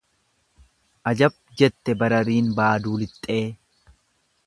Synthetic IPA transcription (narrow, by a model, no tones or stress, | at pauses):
ʔɐd͡ʒɐb̚ | d͡ʒɛt̪ːɛbɐɾɐɾiːnbaːd̪uːlɪt̪ʼːe̞ː